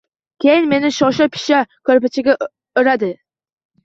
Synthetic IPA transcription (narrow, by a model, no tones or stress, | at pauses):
kʲejɪnmenɪʃɑʃɛpʰɪ̥ʃɛkʲʰøɾpɪt͡ʃʰɪɡʲɛ | ʊɾæd̪ɪ